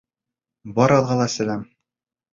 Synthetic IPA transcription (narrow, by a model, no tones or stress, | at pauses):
bɒɾɒlˠʁɑlˠɑsæ̆læm